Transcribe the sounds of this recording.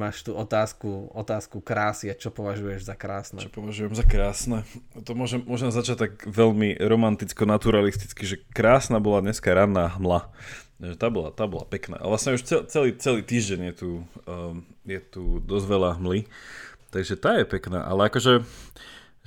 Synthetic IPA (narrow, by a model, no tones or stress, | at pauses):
maːʃt̪uːʔɔt̪aːskuɔt̪aːskukɾaːsiat͡ʃɔpɔʋaʒujɛʒzakɾaːsnɛ̰t͡ʃɔpɔʋaʒujɛmzakɾaːsnɛt̪ɔmʊɔʒɛmːʊɔʒɛmzat͡ʃac̚t̪ːakʋɛʎmiɾɔmant̪it͡skɔnat̪uɾalist̪i̥t͡skiʒɛkɾaːsnaːbɔladɲɛskaɾanːaːɦmlaʒɛt̪aːbɔla̰t̪aːbɔla̰pɛkna̰ːʔa̰ʋlasɲɛuʃt͡sɛt͡sɛliːt͡sɛliːt̪iːʒɟɛɲjɛt̪uː | jɛt̪ud̪ɔzʋɛlaɦmlit̪aɡʒɛt̪aːjɛpɛkna̰ːʔa̰lɛakɔʒɛ